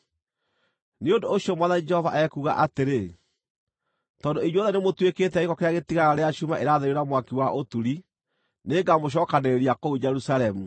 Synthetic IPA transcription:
neondoːɕjɔmwaðanid͡ʒɛhɔva̰ʔɛkuːɣa̰ʔateɾe | tɔːndoiɲɔðɛnemotwekeːtɛiɣɔkeɾeaɣetiɣaɣaɾeaʃumaʔeɾaðeɾeɾamwakiwaʔotuɾi | neːŋɡamoɕ̬ɔːkaneeɾiakoud͡ʒɛɾusaɾɛmu

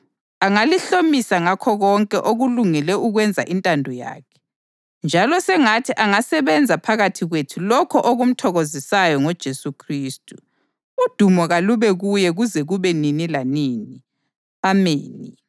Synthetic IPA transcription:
aŋaliɬomisaŋakʰɔɣɔŋkʼɛʔoɣuluŋɛlɛʔuɣwɛnd͡zʱa̰ʔintʼandʱɔja̰ːkʰɛ̥ | nd͡ʒʱalɔsɛŋatʰiʔaŋasɛβɛnd͡zʱapʰaɣatʰiɣwetʰulɔkʰɔʔoɣum̩tʰɔɣozisajɔŋɔd̥ʒ̥ʱesukʰriːstʼu | ud̥ʱumɔɣaluβɛɣujɛɣuzɛɣuβɛninilaniːni | ameːni

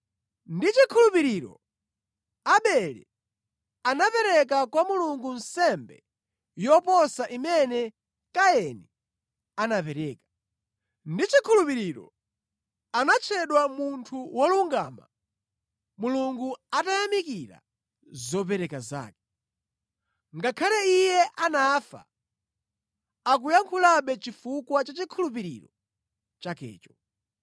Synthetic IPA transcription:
ndit͡ʃikʰulupiɾiɾɔ̰ | aɓɛɾɛ̰ | anapɛɾɛk̬akwamuluŋɡun̩sɛmbɛ̰ | jɔpɔsaʔimɛnɛ | kaɛni | anapɛɾɛːkḁ | ndit͡ʃikʰulupiɾiɾɔ̰ | anat͡ʃʰɛɗwamuntʰuwɔluŋɡaːma̰ | muluŋɡuatajamikiɾa̰ | zɔpɛɾɛkaza̰ːkɛ̥ | ŋɡakʰalɛijɛʔanaːfa̰ | ak̬ujaŋkʰulaɓɛt͡ʃifukwat͡ʃat͡ʃikʰulup̬iɾḭɾɔ̰ | t͡ʃakɛ̰ːt͡ʃɔ̥

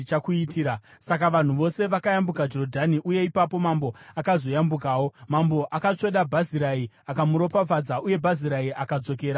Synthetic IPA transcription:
it͡ʃakuitiːɾasakaʋan̤uʋo̞se̞ʋakajambukad͡ʒo̞rodʱaniʔuje̞ipapo̞mambo̞akazo̞jambukaːwo̞mambo̞ʔakat͡ʂe̞ɗabʱaziɾai | akamuɾo̞pafad͡zaʔuje̞bʱaziɾaiʔakad͡zo̞ke̞ːɾa

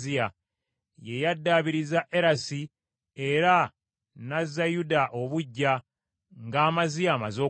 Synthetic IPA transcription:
ija | je̞jadːaːβiɾizaʔe̞ɾasi | e̞ɾa | nazːajudaʔo̞βuɟːa | ŋɡaːmazijamazo̞ː

